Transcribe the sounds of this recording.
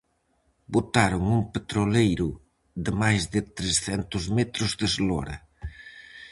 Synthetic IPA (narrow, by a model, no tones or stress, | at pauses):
bot̪aɾʊŋuŋpet̪ɾolejɾʊ | ðɪmajzðɪt̪ɾesθɛnt̪ʊzmɛt̪ɾʊzðɪzlɔɾɐ̰